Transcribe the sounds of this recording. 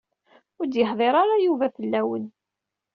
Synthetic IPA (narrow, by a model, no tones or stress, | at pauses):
ʊɾd̪jəħðˤeɾˤɑɾajuvæfəlːæwə̰n